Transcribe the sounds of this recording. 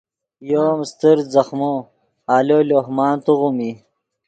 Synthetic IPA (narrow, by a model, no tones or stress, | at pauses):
joːmst̪iɾzɐxmo | aːloːloɦmɑːnt̪uɣumi